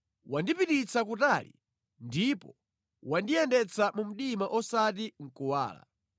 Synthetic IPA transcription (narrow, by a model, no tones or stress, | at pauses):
wandipitit͡sʰakutalḭ | ndipɔ | wandijɛndɛt͡sʰamum̩ɗimaʔɔsat̬iŋ̩kuwa̰ːla̰